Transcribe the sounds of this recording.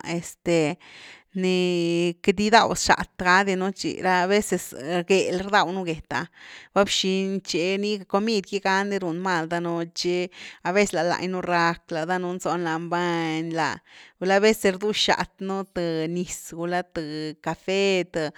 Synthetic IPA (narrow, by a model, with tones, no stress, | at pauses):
e˨st̪e˨ | ne˧ke˧d̪i˦d̪a˧wsʃa̰˨t̪ɡa˦d̪i˧nu˦t͡ʃḭ˨ɾa˦˧βe˦se˧sɡe˨lɾd̪a˧˨wnu˦ɡe˨t̪a̰˧ba˦bʃi˧nt͡ʃe˧ni˦ko˧mi˦d̪ki˦ɡa˦nd̪i˧ɾu˨nma˧˨ld̪a˦no˧t͡ʃe˦a˧be˦sla˨la̰˧jnu˦ɾa˧kla˨d̪a˦nu˧nzo˧nla˧mba˦˧ɲla̰˧ɡu˧la˦be˦se˨sɾd̪u˦ʃa̰˨t̪nu˦t̪ɨ˧ni˧sɡu˧la˦t̪ɨ˧ka˨fe˦t̪a˧